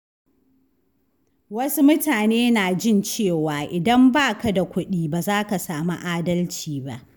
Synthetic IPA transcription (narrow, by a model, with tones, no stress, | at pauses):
wɐ˦su˦mʊ˦taː˨neː˦naː˨d͡ʒɪ˦nt͡ʃeː˦˨waː˨ʔɪ˨dɐ˦mbaː˦˨ka˨da˨kʷʊ˦ɗiː˦baː˨zaː˦ka˨saː˨mu˦ʔaː˦dɐ˦lt͡ʃiː˨ba̰˦ʔ